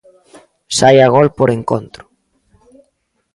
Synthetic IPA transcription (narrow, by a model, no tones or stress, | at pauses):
sajaɣ̞olpoɾeŋko̰nt̪ɾʊ̥